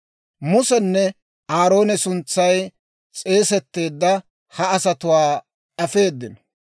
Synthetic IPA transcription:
mʊsɛnːɛ | ʔaːɾo̞ːnɛsʊnt͡sːɐj | t͡sʼe̞ːsɛt̪ːe̞ːd̪ːɐ | hɐːsɐt̪ʊwaː | ʔɐfe̞ːd̪ːɪnɔ̥

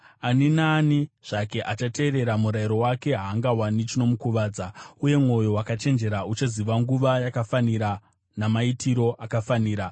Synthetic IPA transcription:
aninaːniʐ̥ake̞ʔat͡ʃate̞ːɾe̞ɾamuɾaiɾo̞wake̞ɦaːŋɡawanit͡ʃino̞mukuʋaːd͡zauje̞mŋo̞jo̞wakat͡ʃe̞nd͡ʒe̞ɾaut͡ʃaziʋaŋɡuʋajakafaniɾa | namaitiɾo̞ʔakafaniːɾa

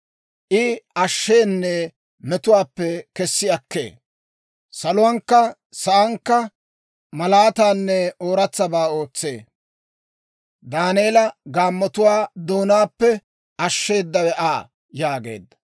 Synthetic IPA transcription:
ʔɪɐʃːeːnːɛ | mɛt̪ʊwaːpːɛkɛsːɪɐkːḛː | sɐlʊwɐŋkːɐ | sɐʔɐŋkːɐ | mɐlaːt̪aːnːɛoːɾɐt͡sːɐbaːoːt͡sːe̞ː | d̪aːneːlɐɡaːmːɔt̪ʊwaːd̪o̞ːnaːpːɛ | ɐʃːe̞ːd̪ːɐwɛʔaː | jaːɡe̞̰ːd̪ːɐ̥

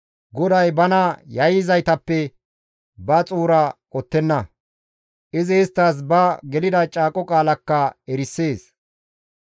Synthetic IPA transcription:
ɡɔd̪ɐjbɐnɐjɐjɪzɐjt̪ɐpːɛ | bɐt͡sʼuːɾɐkʼɔt̪ːɛnːɐ | ʔɪzɪːst̪ːas̬bɐɡɛlɪd̪ɐt͡ʃʼaːkʼɔkʼaːlɐkːɐɛɾɪsːe̞ːs

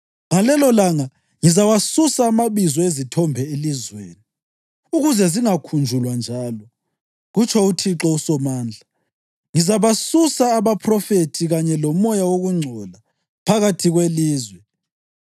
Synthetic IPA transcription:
ŋalɛlɔlaŋa | ŋizawasusaːmaβizɔezitʰɔmbʱɛelizweːni | uɣuzɛziŋakʰund͡ʒʱulwand͡ʒʱaːlɔ | ɣut͡ʃʰɔutʰiǁɔusɔmaːnd͡ɮʱa | ŋizaβasusaːβapʰrɔfetʰiɣaɲɛlɔmɔjawoɣuŋ͡ǀʱɔla | pʰaɣatʰiɣweliːzwɛ

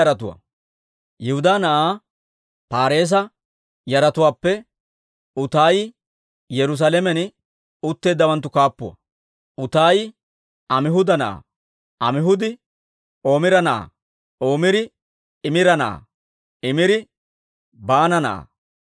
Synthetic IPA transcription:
ɐɾɐt̪ʊwɐ̰ | jɛhʊd̪aːnɐʔaː | paːɾe̞ːs̬ɐ | jɐɾɐt̪ʊwaːpːɛ | ʊt̪aːj | jɛɾʊs̬alɛmɛn | ʊt̪ːe̞ːd̪ːɐwɐnt̪ːʊkaːpːʊwɐ̰ | ʊt̪aːj | ɐmɪɦʊd̪ɐnɐʔa̰ː | ʔɐmɪɦʊd̪ɪ | o̞ːmɪɾɐnɐʔa̰ː | ʔo̞ːmɪɾɪ | ɪmɪɾɐnɐʔa̰ | ɪmɪɾɪ | baːnɐnɐ̰ʔa̰

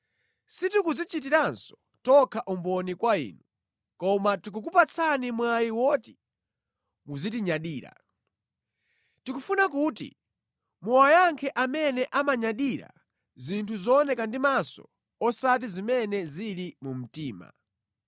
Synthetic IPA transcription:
situkud͡zit͡ʃit̬iɾansɔ̥ | tɔkʰaʔumbɔnikwaḭːnu | kɔmatuk̬uk̬upat͡sʰanimwajiwɔːti̥ | muzitiɲaɗiːɾa̰ | tikufunakuːtḭ | muwajaŋkʰɛʔamɛnɛʔamaɲaɗiɾa̰ | zintʰuzɔːnɛkandimasɔ̰ | ɔsat̬izimɛnɛziɾimum̩tiːma̰

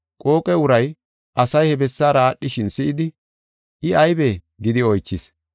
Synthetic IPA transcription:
kʼo̞ːkʼɛʊɾɐj | ʔɐsɐjhɛbɛsːaːɾaːɗːɪʃɪnsɪʔɪd̪ɪ | ʔɪɐjbeː | ɡɪd̪ɪɔjt͡ʃːɪs

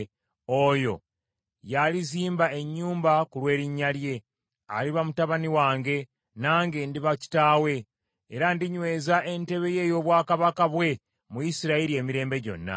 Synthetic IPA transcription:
ojo̞̰ | jaliziːmbae̞ɲːuːmbakulwe̞ːɾiɲːalje̞ | a̰liβamutaβaniwaːŋɡe̞ | naːŋɡe̞ndiβaci̥taːwe̞ː | ɾandiɲwe̞ːzaʔe̞nte̞βe̞je̞jo̞ːβwaːkaβakaβwe̞ | mujisiɾaiɾie̞ːmiɾe̞ːmbe̞ɟo̞̰nːa̰

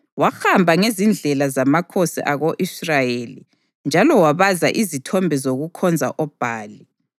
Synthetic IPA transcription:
waxambʱaŋezind͡ɮʱɛlazamakʰosḭʔaɣoʔisrajelḭ | nd͡ʒʱalɔwaβaza̰ʔizitʰɔmbʱɛzoɣukʰɔnd͡zʱa̰ʔɔb̥ʱaːli

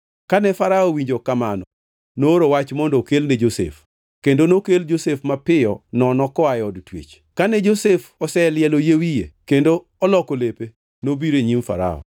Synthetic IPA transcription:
kanɛfaɾaɔwiɲd͡ʒokamanɔ | noɾowat͡ʃmɔndɔkelnɛd͡ʒosḛf | kendonokeld͡ʒosefmapɪɔnɔnɔkɔajɔdtwḛt͡ʃ | kanɛd͡ʒosefɔsɛljɛlojewijekendo | ɔlɔkolepe | nobiɾeɲimfa̰ɾa̰ɔ̰

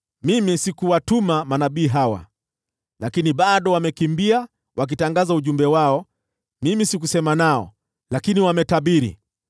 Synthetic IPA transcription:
mimisikuwatumamanaɓiːɦawa̰ | lakiniɓaɗɔwamɛkimbia | wʔak̬itaŋɡazauʄumbɛwaɔ | mimisikusɛmanaɔ̰ | lakiniwamɛtaɓiɾḭ

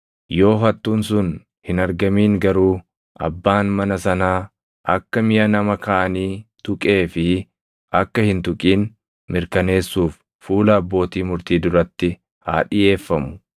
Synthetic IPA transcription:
jo̞ːɦɐt̪ːuːns̬ʊn | hɪnɐɾɡɐmiːŋɡɐɾuː | ʔɐ̰bːaːnmɐnɐsɐnaː | ʔɐkːɐmɪjɐnɐmɐkaːʔɐniːt̪ʊkʼe̞ːfɪ | ʔɐkːɐhɪnt̪ʊkʼiːn | mɪɾkɐne̞ːsːuːfː | uːlɐɐbːo̞ːt̪iːmʊɾt̪iːd̪ʊɾɐt̪ːɪ | ha̰ːᶑɪje̞ːfːɐmʊ̥

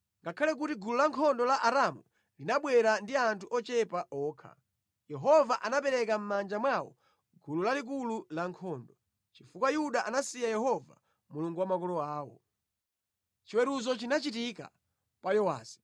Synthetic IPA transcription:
ŋɡakʰalɛk̬utiɡululaŋkʰɔndɔlaʔaɾamu | linaɓwɛɾandiantʰuʔɔt͡ʃɛpaʔɔːkʰa̰ | jɛɦɔvaʔanapɛɾɛkam̩mand͡ʒamwawɔ̰ | ɡululalik̬ululaŋkʰɔːndɔ | t͡ʃifukwajuɗaʔanasijajɛhɔva̰ | muluŋɡuwamakɔlɔaːwɔ̰ | t͡ʃiwɛɾuzɔt͡ʃinat͡ʃitika̰ | kwajɔwa̰ːsi̥

